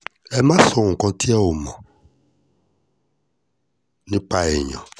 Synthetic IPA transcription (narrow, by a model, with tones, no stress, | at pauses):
ɛ˦mã˦sɔ˨ŋ̩˨kɔ̃˨tʰi˦a˦wo˨mɔ̃˨ | nĩ˦k͡pa˦ɛ˨ɲɔ̰̃˨